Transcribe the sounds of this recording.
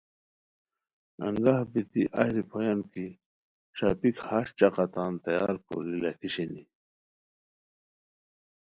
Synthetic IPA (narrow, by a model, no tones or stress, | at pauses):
a̰ŋɡahbit̪iʔa̰hɾipʰojanki | ɕapikhaɕt͡ɕaqɑt̪ant̪ajaːɾko̰lilakiɕini